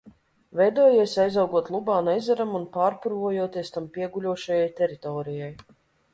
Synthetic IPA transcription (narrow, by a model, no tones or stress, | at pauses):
vɛjd̪uɔjiɛsʲajzawɡuɔt̪lˠubaːnɛjzaɾamunpaːɾpuɾvuɔjuɔt̪iɛst̪ampʲiɛɡulʲuɔʃajajt̪ʲɛɾit̪ɔːɾijaj